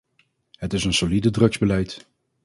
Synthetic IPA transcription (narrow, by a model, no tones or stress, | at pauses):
ɦətɪsənsolidədrɵkzbəlɛjt